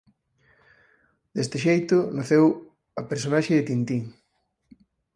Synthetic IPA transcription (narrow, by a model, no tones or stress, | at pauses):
d̪est̪ɪʃejt̪ʊnaθew | ɐpeɾsonaʃɪðɪt̪int̪iŋ